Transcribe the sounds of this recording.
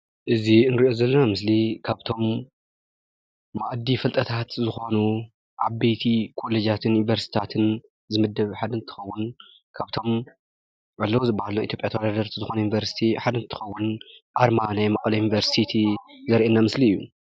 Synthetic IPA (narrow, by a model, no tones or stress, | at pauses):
ʔɨziɨnɨɾiʔo̞zɐlːɐnamɨs̬likʰaβt̪ʰo̞m | aʔd̪ifɐlt̪ʼɐt̪ʰat̪zɨxo̞nu | ʕaβbejt̪ʰikʰo̞led͡ʒat̪ʰɨnjunivɐɾst̪i̥t̪ʰat̪ʰɨn | zɨmɐd̪ːɐβħad̪ɐnt̪ʰɨ̥xɐwːʊn | kʰaβt̪ʰo̞m | ʕalːɐwzɨbahaluʔit̪ʰjopʼjat̪ʰɐwɐd̪ad̪ɐɾt̪ʰzɨxo̞nujunivɐɾsi̥t̪ʰiħad̪ɐnt̪ʰɨ̥xɐwːʊnʔaɾmanajmɐkʼlɐjunivɐɾsit̪ʰizɐɾʔenamɨsliɨjːṵ